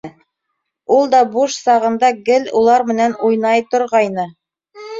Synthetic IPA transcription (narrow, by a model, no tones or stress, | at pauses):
ulˠd̪ɑbuʃsɑʁɤ̆nd̪ɑɡɘlulˠɑɾmɘ̆nænujnɑjt̪ŏɾʁɑjnɤ